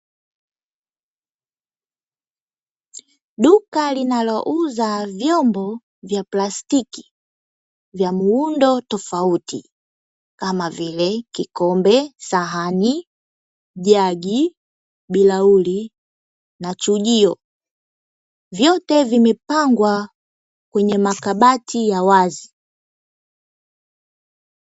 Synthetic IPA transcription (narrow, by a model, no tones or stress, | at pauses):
ɗukalinalɔʔuzavjɔmbɔ | vjaplastiki̥ | vjamuundɔtɔfautḭ | kamavilɛkikɔmbɛsaɦani | ʄaɡi | ɓilauli | nat͡ʃuʄiɔ | vjɔtɛvimɛpaŋɡwa | kwɛɲɛmakaɓatʰijawazi